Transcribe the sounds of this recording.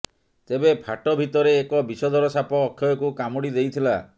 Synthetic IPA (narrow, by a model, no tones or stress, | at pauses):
t̪ebepʰaʈɔbʱit̪ɔɾeːkɔbisɔd̪ʱɔɾɔsapɔːkʰjɔjɔkukamɔɽid̪ejt̪ʰila